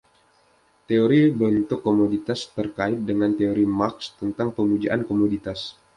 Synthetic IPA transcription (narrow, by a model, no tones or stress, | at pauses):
t̪eoɾibənt̪ʊkːomodit̪ast̪ərkaɪt̪̚dəŋant̪eoɾimakst̪ənt̪aŋpəmud͡ʒaʔankomodit̪as